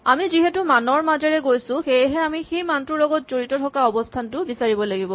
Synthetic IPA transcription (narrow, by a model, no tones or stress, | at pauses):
amiziɦɛtumanɔɹmazɛɹɛɡojsʊ̃xejɦɛamixejmantɹulɔɡɔtz̥oɹitɔtʰɔkaɔbɔstʰantʊbisaɹibɔlaɡibɔ